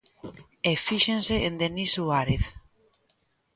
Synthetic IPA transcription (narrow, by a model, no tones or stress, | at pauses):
efiʃẽnseʔend̪enisuaɾeθ